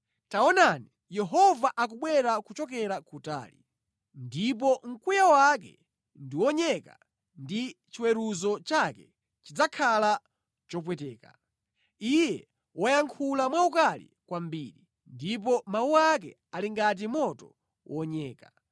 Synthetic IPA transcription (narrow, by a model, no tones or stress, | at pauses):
taɔnani | jɛɦɔvaʔak̬uɓwɛɾakut͡ʃɔk̬ɛɾakuta̰ːlḭ | ndip̬ɔŋ̩kujawak̬ɛ̰ | ndiwɔɲɛka̰ | ndit͡ʃiwɛɾuzɔt͡ʃakɛ | t͡ʃid͡zakʰala | t͡ʃɔp̬wɛtɛːka̰ | ijɛ | wʔɔjaŋkʰulamwaukalḭkwambiɾi | ndip̬ɔmawuak̬ɛ̰ | aliŋɡat̬imɔtɔ | wʔɔɲɛːka